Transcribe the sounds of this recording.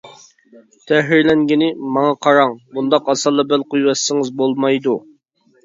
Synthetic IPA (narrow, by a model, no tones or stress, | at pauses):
t̪ʰɛɦiɾlɛŋɡʲinɪmɑŋɑqʰɑɾɑŋbund̪ɑqɑsɑlˠːɑbɛlˠqujwɛsːɪŋɨzbolˠmɑjd̪u